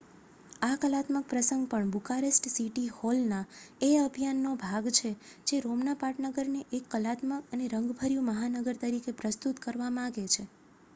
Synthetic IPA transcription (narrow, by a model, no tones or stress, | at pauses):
akəlat̪mək̚pɾəsəŋɡpəɳbukaɾesʈsiʈiholnaeəbʱijanːobʱaɡt͡ʃʰed͡ʒeɾomnapaʈnəɡəɾneʔekːəlat̪məkəneɾəŋɡbʱəɾjuməɦanəɡəɾt̪əɾikepɾəst̪ut̪kəɾʋamããɡet͡ʃʰe